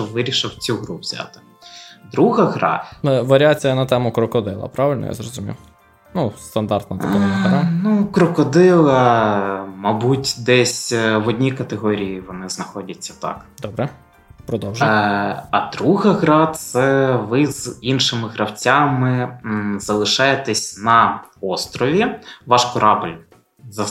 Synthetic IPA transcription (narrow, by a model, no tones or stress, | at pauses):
ɔʋɪɾʲiʃɪwt͡sʲuɦɾuʋzʲa̰t̪ɪ̥ | d̪ɾuɦɐɦɾɑ̰ʋɐɾʲiat͡sʲijɐnɐt̪ɛmʊkɾɔkɔd̪ɪlˠɐ̰pɾɑʋɪlʲnɔ̰ja̰zrɔzʊmʲḭw | nust̪ɐnd̪ɑrt̪nɐt̪ɛmnɐɦɾɑnukɾɔkɔd̪ɪlˠɐ | mɐbutʲd̪ɛsʲʋɔdʲnʲikɐt̪eɦɔɾʲijiʋɔnɪznɐxɔdʲɐt͡sʲːɐt̪ɑ̰kd̪ɔbɾɛ | pɾɔd̪ɔwʒ | ɐd̪ɾuɦɐɦɾɑt̪sɛʋɪzinʃɪmɪɦɾɐwt͡sʲamɪz̥ɐlˠɪʃɑjet̪ɛsʲnɐɔst̪ɾɔʋʲiʋɑʃkɔɾʔɑblʲ | zɐ